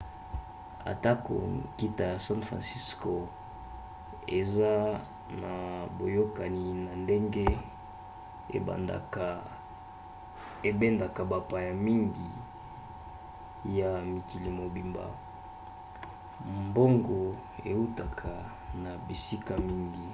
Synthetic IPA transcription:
a̰˨ta˦ko̰˨ki˦ta˨ja˨sã˦nfʁã̰˨nsi˦sko˨ | ḛ˨za˦ | na˨bo˨jo˦ka˨ni˨na˨nde˦ŋɡe˦ | ḛ˨a̰˨ | e˨be˦nda˨ka˨ba˨pa˨ja˨mi˦ŋɡi˨ | ja˨mi˨ki˨li˨mo˨bi˨mba̰˨ | mbo˦ŋɡo˨ | ḛ˨u˦ta˨kʰa˨ | na˨bi˨si˦ka˨mi˦ŋɡi˨

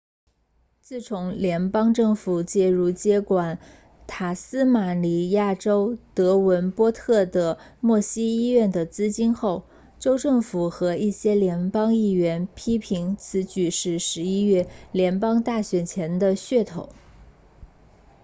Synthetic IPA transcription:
t͡sɹ̩˥˩ʈ͡ʂʰʊ˧˥ŋljɛ˧˥npɑ˥ŋʈ͡ʂɤ˥˩ŋfu˨˩t͡ɕjɛ˥˧ɻu˥˩t͡ɕjɛ˥kwa˨˩n | t̪ʰa˨˩sɹ̩˥ma˨˩li˨˩ja˥˩ʈ͡ʂo˥ʊt̪ɤ˧˥wə˧˥npwɔ˥t̪ʰɤ˥˩d̪ə˩mwɔ˥˩ɕi˥i˥ɥɛ˥˩nd̪ə˩t͡sɹ̩˥t͡ɕi˥nxo˥˩ʊ | ʈ͡ʂo˥ʊʈ͡ʂɤ˥˩ŋfu˨˩xɤ˧˥i˥˩ɕjɛ˥ljɛ˧˥npɑ˥ŋi˥˩ɥɛ˧˥npʰi˥pʰi˧˥ŋt͡sʰɹ̩˧˥t͡ɕy˧˩ʂɻ̩˧˥ʂɻ̩˧˥i˥ɥɛ˥˩ljɛ˧˥npɑ˥ŋt̪a˥˩ɕɥɛ˨˩nt͡ɕʰjɛ˧˥nd̪ə˧ɕɥɛ˥˩t̪ʰo˨˩˦ʊ

